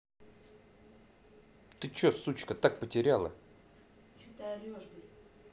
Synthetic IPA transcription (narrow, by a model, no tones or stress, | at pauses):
t̪ɨt͡ɕosut͡ɕkət̪ak̚pətʲɪɾʲalˠə̰ | t̪aɾʲoʐɡʲ